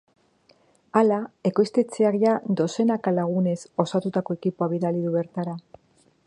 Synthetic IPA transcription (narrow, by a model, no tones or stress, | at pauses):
alae̞ko̞jst̪e̞t͡se̞akʝad̪o̞se̞nakalaɣ̞une̞so̞sat̪ut̪ako̞e̞kipoaβiðaliðuβe̞ɾt̪aɾa